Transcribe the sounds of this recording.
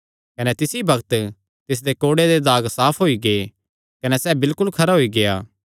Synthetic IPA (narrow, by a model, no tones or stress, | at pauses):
kɐnɛt̪ɪsibɐkt̪ | t̪ɪs̬d̪ekoːɽed̪ed̪aːɡsaːpʰɦoːiɡe | kɐnɛsɛːbɪlkʊlkʰɐɾaɦoiɡeja̰ː